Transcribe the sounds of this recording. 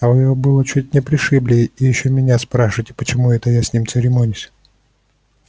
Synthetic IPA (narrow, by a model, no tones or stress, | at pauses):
ɐvɨjɪjobɨlˠət͡ɕut̚ʲnʲɪpɾʲɪʂɨblʲɪjijɪɕːomʲɪnʲaspɾaʂɨvətʲɪ̥pət͡ɕɪmuɛt̪əjasʲnʲimt̪sɨɾʲɪmonʲʊsʲ